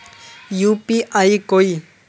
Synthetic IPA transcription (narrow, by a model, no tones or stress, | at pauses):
juːpiʔaikoi